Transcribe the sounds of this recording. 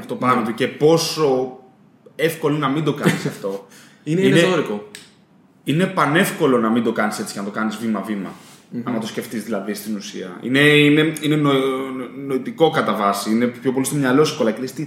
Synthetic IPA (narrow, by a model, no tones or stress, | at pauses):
ɐft̪oɐmit̪uce̞po̞so̞ | e̞fko̞lonɐmind̪o̞kɐnisɐft̪o̞ | ineinesoɾiko | ine̞pɐne̞fko̞lo̞nɐmind̪o̞kɐnise̞t͡si̥cenɐt̪o̞kɐnizvimɐvimɐ̰ | ɐnɐt̪o̞sce̞ft̪izðilɐðist̪inusḭɐ̰ḭne̞ine̞ine̞nonoit̪iko̞kɐt̪ɐvɐsiinepço̞p̬o̞list̪omɲɐloefkolɐklest̪i